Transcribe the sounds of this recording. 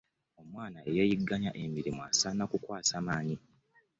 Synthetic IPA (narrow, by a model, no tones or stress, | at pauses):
o̞mwaːnaʔe̞jejiɡːaɲaʔe̞miɾimua̰sanakukwaːsaːmaːɲi